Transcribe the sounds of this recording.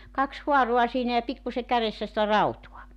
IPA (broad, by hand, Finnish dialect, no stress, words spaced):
kɑks huɑro̝ɑ siːnæ jɑ pikːuse kæresːæ sĭtæ rɑutuɑ